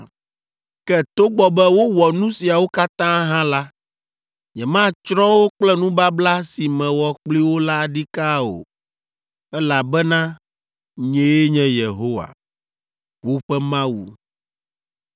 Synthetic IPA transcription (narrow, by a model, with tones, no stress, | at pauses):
kɛ˦t̪o˦ɡ͡bɔ˨bɛ˦wo˦wɔ˨nũ˦si˨a˨wo˦ka˦t̪ã˦ɦã˦la˦ | ɲɛ̃˨mã˦t͡ʃɾɔ̃˦wo˦k͡plɛ˦nũ˦ba˦bla˦si˨mɛ̃˨wɔ˨k͡pli˦wo˦la˦˨ɖi˦ka˦o̰˨ | ɛ˦la˨bɛ˦nã˦ | ɲẽ˨je˦ɲɛ̃˦je˨ɦo˦wa̰˨ | wo˦ɸɛ˦mã˦wṵ˨